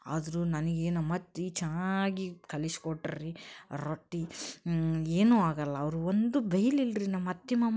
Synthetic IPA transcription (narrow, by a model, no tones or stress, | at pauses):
a̰ːd̪ɐɾunɐnɐɡeːnumɐt̪ːit͡ʃɐnaɡikɐlisi̥koʈːɐɾiɾoʈːi | eːnuːaːɡɐlːɐːʋɐɾuʋond̪ubʱɐjɐlilɾinɐmːɐt̪ːimɐm